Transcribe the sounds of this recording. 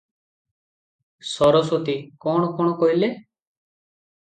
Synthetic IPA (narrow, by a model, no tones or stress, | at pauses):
sɔɾɔsot̪iːkɔːɳkɔɳ̃ɔkoileː